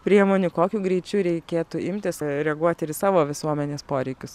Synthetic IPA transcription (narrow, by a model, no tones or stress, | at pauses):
pʲɾʲiɛmoːnʲʊkoːkʲuːɡɾʲɛɪt͡ʃʲuːɾʲɛɪkʲeːt̪ʊɪmʲt̪ʲɪsɾʲɛɡuɔt̪ʲɪɪsɑːʋoːʋʲɪsuɔmʲɛnʲeːspoːɾʲɛɪkʲʊs